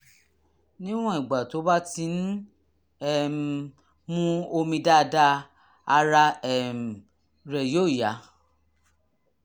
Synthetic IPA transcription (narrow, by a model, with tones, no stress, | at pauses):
nĩ˦w̃ɔ̃˦i˨ɡ͡ba˨to˨˦ba˦ti˧˦n̩˦ | ɛ˦˨m˨ | mũ˦o˧mĩ˧da˦˧da˦ | a˧ɾa˧ɛ˨m̩˨ | ɾɛ˨jo˦˨ja˨˦